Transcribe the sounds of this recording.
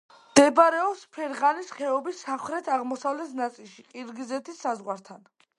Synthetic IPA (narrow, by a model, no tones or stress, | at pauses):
md̪̥ɛbaɾɛɔpspʰɛɾʁanisχɛɔbisaχɾɛt̪ʰaʁmɔsavlɛt̪ʰnat̪sʼilˠʃiqʼiɾɡizɛt̪ʰisːazʁwaɾt̪ʰan